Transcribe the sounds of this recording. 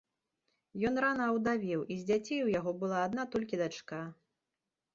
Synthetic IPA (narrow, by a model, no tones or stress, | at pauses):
jɔnɾanɐːwd̪avʲiwʔizʲd͡zʲat͡sʲejwjaɣɔbɨlˠaːd̪nat̪ɔlʲkʲid̪at͡ʂka